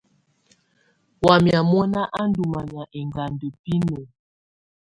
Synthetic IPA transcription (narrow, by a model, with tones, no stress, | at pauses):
wa˨mja˨mɔ˦na˦ʔa˦n˦du˨ma˨mja˨ʔe˨ŋɡa˨ndə˨pi˦no˨